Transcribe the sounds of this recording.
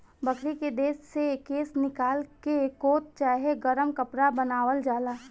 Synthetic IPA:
bəkʰɾiked̪eːʃsekːeːsnɪkaːlkekoːt̪̚t͡ʃaːɦeɡəɾəmkɐpɾabənaːʋəld͡ʒaːlaː

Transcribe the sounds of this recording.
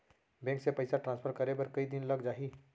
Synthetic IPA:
bɛ̃ːŋksepɐɪsaʈɾãnspʰəɾkɐɾebɐɾkɐid̪ɪnlɐɡd͡ʒaːɦiː

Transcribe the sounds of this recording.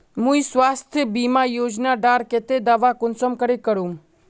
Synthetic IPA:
mũisʋast̪ʰjəbimajoːd͡ʒnaɖaɾket̪ed̪aʋakʊnsəmkəɾekəɾũ

